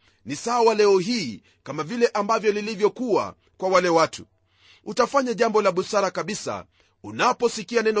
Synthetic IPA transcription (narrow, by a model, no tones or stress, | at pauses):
nisawalɛɔɦiː | kamavilɛʔambavjɔlilivjɔkuwa̰ | kwawalɛwatʰṵ | utafaɲaʄambɔlaɓusaɾakaɓisa̰ | unapɔsikianɛnɔ